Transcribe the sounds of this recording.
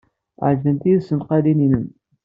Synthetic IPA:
ʕʒðənt̪iðsənqɑlininən

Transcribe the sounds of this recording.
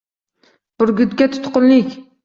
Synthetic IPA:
b̥ʊɾɡʲyd̪ɡʲɛt̪ʰʊ̥t̪qʊnlɪkʲ

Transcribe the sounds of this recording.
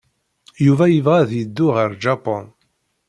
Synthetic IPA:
juvæjəvʁæðjəd̪ːʊʁəɾd͡ʒɑpɔ̰n

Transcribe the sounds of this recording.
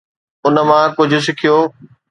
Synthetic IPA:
ʊn̆mãkʊd͡ʑʱʊ̆s̬ɪkʰijoː

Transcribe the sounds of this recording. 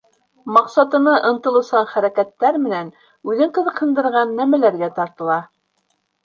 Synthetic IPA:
mɑqsɑt̪ɤ̆nɤʔɤ̆nt̪ɤ̆lˠɤ̆sɑɴχæɾækæt̪ːæɾmɘ̆næn | ʉðɘɴqɤ̆ðɤ̆qhɤ̆nd̪ɤ̆ɾʁɑnːæmælæɾɡæt̪ɑɾt̪ɤ̆lˠɑ

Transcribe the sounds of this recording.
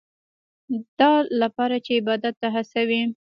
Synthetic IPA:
d̪̥ɑlapɑɾat͡ʃeɪbɑd̪at̪ːaɦasawi

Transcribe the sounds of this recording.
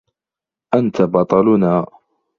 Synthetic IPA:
ʔant̪abɑt̪ˤɑlʊnaː

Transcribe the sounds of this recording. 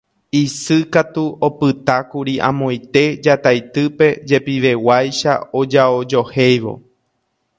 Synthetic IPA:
isɨkat̪uʔo̞pɨt̪akuɾiʔã̰mõ̞j̃t̪e̞d͡ʒat̪ajt̪ɨpe̞d͡ʒe̞piʋe̞wajʃa̰o̞d͡ʒaod͡ʒo̞he̞jʋo̞̰

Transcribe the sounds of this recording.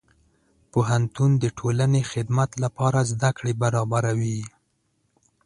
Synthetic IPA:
poɦant̪und̪əʈʰolanexɪd̪mat̪lapɑɾazd̪akɽebaɾɑbaɾawi

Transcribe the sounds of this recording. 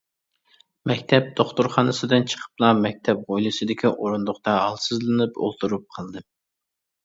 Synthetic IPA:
mɛkʲt̪ʰɛp̚d̪̥oχt̪ʊɾχɑnɨsɨd̪ɨnt͡ʃʰə̥qʰə̥plˠɑmɛk̚ʲt̪ʰɛp̚ʁojlˠɨsɨd̪ɪkʲiʔoɾund̪ʊχt̪ɑɦɑlˠsɨzlˠɨnɨpo̰lˠt̪ʰuɾup̚qʰɑlˠd̪ɨ

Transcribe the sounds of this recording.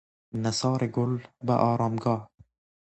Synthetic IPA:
nasɑːɾeɡʊlba̰ʔɑːɾɑːmɡɑːh

